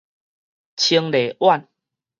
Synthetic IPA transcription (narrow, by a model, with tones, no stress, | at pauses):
t͡ɕʰi˧ŋle˨˩wa˥˨n